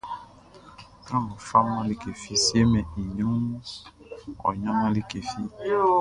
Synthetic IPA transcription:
tɾã˦ŋɔ˨fa˦mã˦li˨ke˨fi˦si˦e˦mɛ̃˨i˨ɲũ˦n˦s | ɔ̰˨ɲɔ̃˦mã˦li˦ke˨fi˦

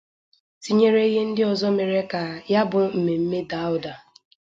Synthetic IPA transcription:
si˨ɲe˨ɾe˦i˦ɦe˦n̩˦dɪ˦ɔ˨zɔ˦me˨ɾe˦ka˨ja˦bʊ˨m̩˨me˨m̩˦me˦da˦ʊ˦da˨

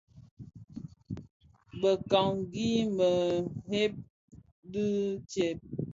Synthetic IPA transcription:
bə˨ka˨ŋɡi˦mə˨ɦhe˦p̚ | dɨ˦t͡ʃe˨p̚

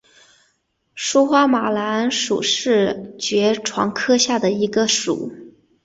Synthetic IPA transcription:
ʂu˥xwa˥ma˨˩la˧˥nʂṵ˨˩ʂɻ̩˥˩t͡ɕɥɛ˧˥ʈ͡ʂʰwɑ˧˥ŋkʰɤ˥ɕja˥˩d̪ə˩i˧˥ɡə˧ʂṵ˨˩˦

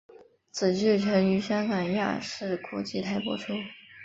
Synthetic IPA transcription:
t͡sʰɹ̩˨˩t͡ɕ̩ʰ˥˩t͡ɕʰɥɛ˧˥ny˧˥ɕjɑ˥ŋkɑ˨˩ŋja̰˥˩ʂɻ̩˥˩kʰṵ˨˩t͡ɕi˥˩t̪ʰa˥ɪpwɔ̰˧˥ʈ͡ʂʰo˥ʊ

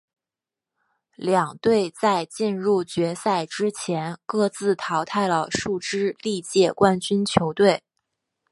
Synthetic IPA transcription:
ljɑ˨˩ŋt̪we˥˧ɪt͡sa˥˧ɪt͡ɕi˥˧nɻu˥˩t͡ɕɥɛ˧˥sa˥˩ɪʈ͡ʂɻ̩˥t͡ɕʰjɛ˧˥nkɤ˥˧t͡sɹ̩˥˩t̪ʰɑ˧˥ʊt̪ʰa˥˩ɪlə˨˩ʂu˥˩ʈ͡ʂɻ̩˥li˥˧t͡ɕjɛ˥˩kwa˥˩nt͡ɕy˥nt͡ɕʰjo˧˥ʊt̪we˥˩ɪ

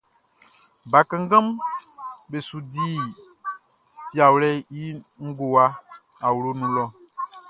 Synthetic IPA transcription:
ba˨kɛ̃˨ŋ˦ɡã˦m | be˨su˨di˦ | fi˦a˨wlɛ˦ji˦ŋ̩˦ɡo˨wa˦ | a˨wlo˦nũ˦lɔ˦

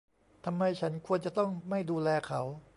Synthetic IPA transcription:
t̪ʰa˧mːa˧jt͡ɕʰa˦˥nkʰu˧ənt͡ɕa˨˩t̪ɔ˥˩ŋma˥˩jduː˧lɛː˧kʰa˦˥w

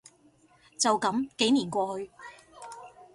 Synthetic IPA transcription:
t͡sɐ˨wkɐ˨˥mke˨˥jniː˨˩nkʷɔː˧hɵ˧ɥ

